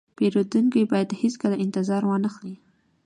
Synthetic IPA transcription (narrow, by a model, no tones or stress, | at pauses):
peɾod̪uŋkijbɑjad̪hiskəlaʔɪnt̪ɪzɑɾwɑnəxli